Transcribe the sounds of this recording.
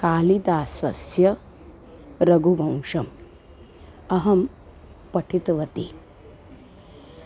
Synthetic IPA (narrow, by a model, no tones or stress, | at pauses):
kaːlid̪aːsɐ̰sjɐ | ɾɐɡʱubʱɐ̃w̃ʂɐm | ɐɦɐm | pɐʈʰit̪ʋɐt̪i